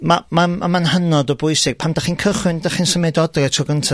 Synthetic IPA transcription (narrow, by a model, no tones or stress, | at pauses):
mamama̰manhənɔdɔbʊjsɪɡ̚pʰamdaχiːnkʰəχwɪndaχinsəmɛdɔdrɛtʰɔɡəntʰa